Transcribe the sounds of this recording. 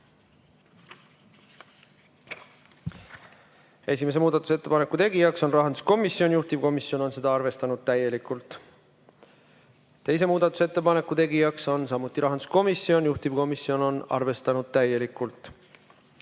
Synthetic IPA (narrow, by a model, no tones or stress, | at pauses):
e̞sʲime̞s̬e̞muːd̪̥ɑt̪ːˑu̥se̞t̪ːe̞pɑne̞kːˑut̪e̞ɡijɑkso̞nrɑɦɑnd̪u̥sko̞misːio̞njuht̪iv̥ko̞misːjo̞no̞nse̞d̪ɑɑrve̞st̪ɑnud̪̥̚t̪æje̞likult̪ˑ | t̪e̞js̬e̞muːd̪̥ɑt̪ːˑu̥se̞t̪ːe̞pɑne̞kːˑut̪e̞ɡijɑkso̞nsɑmːut̪ːˑiɾʔɑɦɑnd̪u̥sko̞misːio̞njuht̪iv̥ko̞misːio̞no̞nɑ̰rve̞st̪ɑnud̪̥̚t̪æje̞likːˑult̪ˑ